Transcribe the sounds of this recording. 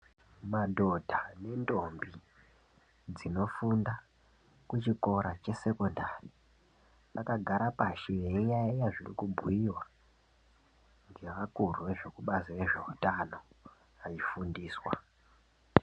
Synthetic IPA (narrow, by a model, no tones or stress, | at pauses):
madʱo̞dʱane̞ndo̞mbi | d͡zino̞funda | kut͡ʃiko̞ɾat͡ʃe̞se̞ko̞ndari | ʋakaɡʱaɾapaʃejeijajajaʐirḭkubʱuiwa | ŋɡe̞ʋakuruʋe̞ʐe̞kuɓasiʋe̞ʐe̞utano̞ | aifundiːswa